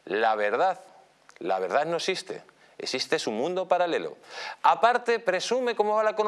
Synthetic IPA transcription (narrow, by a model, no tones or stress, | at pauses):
laβe̞ɾð̞að | la̰β̞e̞ɾð̞aðnoesist̪e̞̰ | esist̪e̞sumũnd̪o̞paɾale̞lo̰apaɾt̪e̞pɾe̞sume̞ko̞moβalaekon